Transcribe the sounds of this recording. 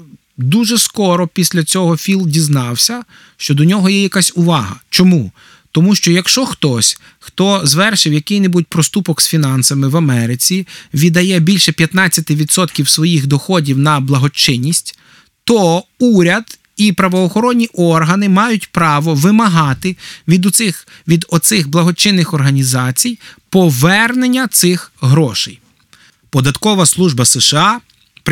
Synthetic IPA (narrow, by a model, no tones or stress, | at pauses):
d̪uʒɛskɔɾɔpʲisʲlʲɐt͡sʲɔɦɔfʲilˠdʲiznɑwsʲɐ | ʃt͡ʃɔd̪ɔnʲɔɦɔjɛjɐkasʲʊʋɑɦɐ̰t͡ʃɔmu | t̪ɔmuʃt͡ʃɔjɐkʃt͡ʃɔxt̪ɔsʲ | xt̪ɔzʋɛrʃɪwjɐkɪjnɪbud̚ʲpɾɔst̪upɔksfʲinɑnsɐmɪʋɐmɛɾɪt͡sʲiʋʲid̪ɐjɛbʲilʲʃɛpʲjɐt̪nɑt͡sʲːɐt̪ɪʋʲid̪sɔt̪kʲiwsʋɔjixd̪ɔxɔdʲiwnɐblˠɐɦɔt͡ʃɪnʲːisʲtʲ | t̪ɔuɾʲɐd̪ | ipɾɐʋɔːxɔɾɔnʲːiʔɔrɦɐnɪmɑjʊtʲpɾɑʋɔʋɪmɐɦɑt̪ɪd̪ɪxʋʲid̪ɔt̪sɪxblˠɐɦɔt͡ʃɪnːɪxɔrɦɐnʲizɑt͡sʲijpɔʋɛrnenʲːɐt̪sɪxɦɾɔʃɛj | pɔd̪ɐt̪kɔʋɐslˠuʒbɐsɛʃɛɑ